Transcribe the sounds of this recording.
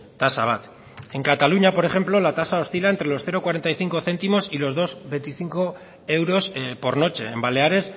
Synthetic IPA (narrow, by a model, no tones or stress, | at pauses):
t̪asa̰β̞at̪ | e̞ŋkat̪aluɲapo̞ɾe̞xe̞mplo̞lat̪asao̞st̪ilaent̪ɾe̞lo̞sθe̞ɾo̞kwaɾe̞nt̪ajθiŋko̞θe̞nt̪imo̞silo̞zðo̞zβe̞nt̪iθiŋko̞ | e̞wɾo̞spo̞ɾno̞t͡ʃe̞ːmbale̞aɾe̞s